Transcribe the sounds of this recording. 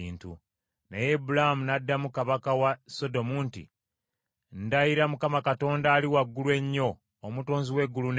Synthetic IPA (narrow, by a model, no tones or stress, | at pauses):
iːntṵ | nejebulahamunadːamukaβakawaso̞do̞muntḭ | n̩dajiɾamukamakato̞ːndaːliwaɡːulwe̞ɲːo̞ː | muto̞ːnziwe̞ɡːulun